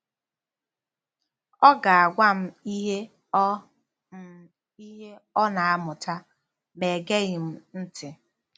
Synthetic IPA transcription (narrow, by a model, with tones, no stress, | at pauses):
ɔ˦ɡa˨a˨ɡʷa˦m̩˦i˦ɦe˦ | i˦ɦe˦ɔ˦na˨a˦mʊ˨ta˦ | me˨ɡe˦ɣɪ˨m̩˦n̩˦tɪ˨